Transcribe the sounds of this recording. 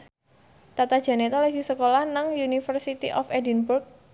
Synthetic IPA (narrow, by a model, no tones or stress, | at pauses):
t̪at̪ad̥ʒ̥a̤net̪ɔlɛvisəkolahnaŋjunifərsit̪iʔɔfɛdinburk̚